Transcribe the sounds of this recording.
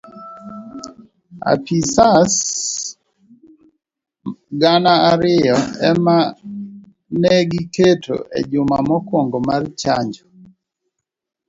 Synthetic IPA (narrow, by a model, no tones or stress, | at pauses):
a̰pisas | ɡanaaɾɪjɔɛma | nɛɡiketʰo̰ʔḛd͡ʒʊmamɔkwoŋɡomart͡ʃa̰ɲd͡ʒɔ